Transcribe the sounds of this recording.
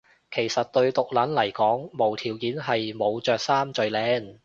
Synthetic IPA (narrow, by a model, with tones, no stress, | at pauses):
kʰe˨˩jsɐ˨t̚t̪ɵ˧ɥt̪ʊ˨k̚lɐ˨˥nlɐ˨˩jkɔː˨˥ŋmo˨˩wt̪ʰiː˨˩wkiː˨˥nɦɐ˨jmo˨˧wt͡ʃœː˨k̚saː˥mt͡ʃɵ˨ɥlɛː˨˧˥n